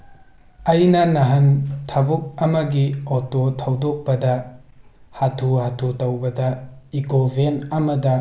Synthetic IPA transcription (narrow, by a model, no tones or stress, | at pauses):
ɐjnɐnɐɦɐntʰɐbuk̚ɐmɐɡiototʰɐwdok̚bɐdɐ | hatʰuhatʰutɐwbɐdɐikobʱenɐmɐdɐ